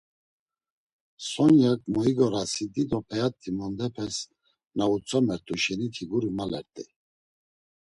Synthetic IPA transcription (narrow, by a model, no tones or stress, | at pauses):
sɔnjakʼmɔiɡɔɾasid̪id̪ɔpʰɛat̪ʼʰːimɔnd̪ɛpʰɛs | naut͡sʼɔmɛɾt̪ʼuʃɛnit̪ʰiɡuɾimalɛ̰ɾt̪ʼi